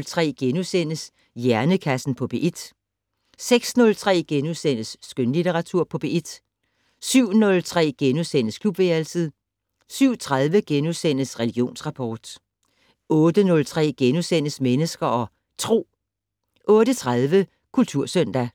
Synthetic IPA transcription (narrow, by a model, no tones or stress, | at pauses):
lt͡sʰʁɛ̰ːɡ̥enusen̰əs | jæɐnəkʰæsn̩pʰɒ̽b̥e̝ʔid̥ | seɡ̥snɔ̽lt͡sʰʁɛ̰ːɡ̥enuðˠsen̰əsːɡ̥ønlit͡sʰeʁɑ̈t͡sʰuɐ̰pʰɒ̽b̥e̝ʔid̥ | syʊ̰nɔ̽lt͡sʰʁɛ̰ːɡ̥enusen̰əskʰlub̥ʋeælsið̩ˠ | syʊ̰t͡sʰʁað̞ˠʋəɡ̥enuðˠsen̰əsʁɛliɡ̥jo̝̰ːnsʁɑ̈pʰɒːd̥ | ɔ̽ːd̥ənɔ̽lt͡sʰʁɛ̰ːɡ̥enusen̰əsmenəsɡ̥ɐɒ̽ | t͡sʰʁo̝̰ː | ʔɔ̽ːɾ̥ət͡sʰʁaðˠʋə | kʰult͡sʰuɐ̰sœn̰d̥æ